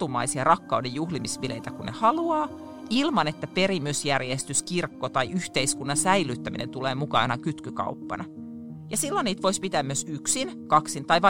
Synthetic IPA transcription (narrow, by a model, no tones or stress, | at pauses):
t̪umɑ̰isiɑrɑkːɑudejjuhlimisʋileit̪ækunnehɑluɑː | ilmɑnet̪ːæpe̞ɾimysjærjest̪yskirkːot̪ɑiʔyht̪eiskunːɑsæilːˑyt̪ːæmḭnʔent̪uleːmukɑ̰ːnɑkyt̪kykɑ̰upːɑ̰nɑ | jɑsilːonːiːt̪ʋoispit̪æːmyøsyksinkɑksint̪ɑiʋɑ